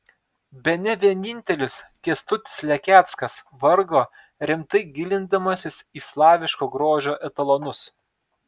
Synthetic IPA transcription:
bʲɛnʲɛʋʲiɛnʲɪnʲt̪ʲɛlʲʊskʲiɛst̪ʊt̪ʲɪ̥slʲɛkʲæːt̪skɐs | ʋɐɾɡoː | ɾʲɪmt̪ɐɪɡʲɪlʲɪnd̪ɐmɐsʲɪsiːslˠɑːʋʲɪʃkoːɡɾoːʒʲoːʔɛt̪ɐlˠonʊs

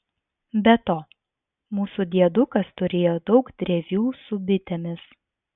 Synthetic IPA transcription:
bʲɛt̪oː | muːsud̪ʲiɛd̪ʊkɐst̪ʊɾʲeːjoːd̪ɒʊkt̪ʲɾʲɛʋʲjuːsʊbʲɪt̪ʲɛmʲɪs

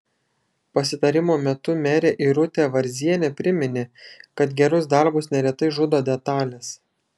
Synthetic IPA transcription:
pɐsʲɪt̪ɐɾʲɪmoːmʲɛt̪ʊmʲɛːɾʲeːʔɪɾʊt̪ʲeːʋɐɾʲzʲiɛnʲɛpʲɾʲɪmʲɪnʲɪkɐt̪ɡʲɛɾʊsd̪ɐɾbʊsnʲɛɾʲɛt̪ɐɪʒʊd̪oːd̪ʲɛt̪ɑːlʲɛs

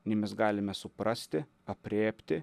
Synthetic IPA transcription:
nʲɛɪmʲɛsɡɑːlʲɪmʲɛsʊpɾɐsʲt̪ʲɪ | ɐpʲɾʲeːpʲt̪ʲɪ

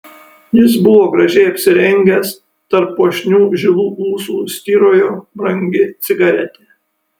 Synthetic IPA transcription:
jɪs̬bʊʋoːɡɾɐʒʲɛɪɐpʲsʲɪɾʲɛŋʲɡʲɛs | t̪ɐɾpːoːʃʲnʲuːʒʲɪlˠuːʔuːsuːsʲt̪ʲiːɾoːjoːbɾɐŋʲɡʲɪt̪sʲɪɡɐɾʲɛt̪ʲeː

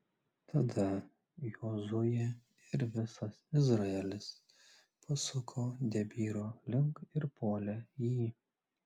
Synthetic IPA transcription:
t̪ʰɐd̪ɐ | joːzʊjɛ | ɪɾʋʲɪsɐsɪzɾɐɛlʲɪs | pɐsʊkʰoːd̪ʲɛbʲiːɾoːlʲɪŋkɪɾpoːlʲɛjiː

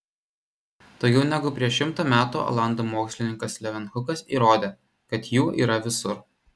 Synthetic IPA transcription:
t̪oːkʲɛʊnʲɛɡʊpʲɾʲiɛʃʲɪmt̪oːmʲæːt̪ṵːo̰lˠɑˑnd̪oːmoːksʲlʲɪnʲɪŋkɐslʲɛʋʲɛnxʊkɐsiːɾoːd̪ʲeː | kɐt̪juːʔḭːɾɐʋʲɪsʊɾ

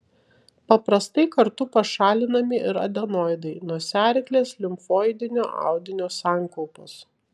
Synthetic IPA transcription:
pɐpɾɐst̪ɐɪkɐɾt̪ʊpɐʃɑːlʲɪnɐmʲɪʔɪɾɐ̰d̪ʲɛnɔːɪd̪ɐɪnuɔsʲæːɾʲɪklʲeːslʲɪmfoːjd̪ʲɪnʲoːʔɑ̰ˑʊd̪ʲɪnʲoːsɑːˑŋˑkɔʊpoːs

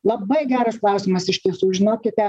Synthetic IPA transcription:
lˠɐbɐɪɡʲæːɾɐsklˠɐˑʊsʲɪmɐsɪʃʲt̪ʲiɛsuːʒʲɪnoːkʲɪt̪t̪ʲɛ

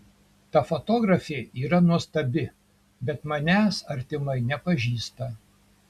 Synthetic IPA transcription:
t̪ɐfot̪oːɡɾɐfʲeːiːɾɐnuɔst̪ɐbʲɪ | bʲɛt̪mɐnʲæːsɐɾʲt̪ʲɪmɐɪnʲɛpɐʒʲiːst̪ɐ

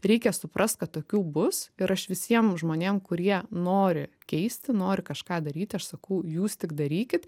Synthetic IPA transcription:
ɾʲɛɪkʲɛsʊpɾʔɐst̪̚kɐt̪toːkʲuːbʊsɪɾɐʃʋʲɪsʲiɛmʒmoːnʲeːmkʊɾʲiɛnoːɾʲɪkʲɛɪsʲt̪ʲɪnoːɾʲɪkɐʃkɑːd̪ɐɾʲiːt̪ʲɐʃsɐkɐʊjuːst̪ʲɪkd̪ɐɾʲiːkʲɪt̪

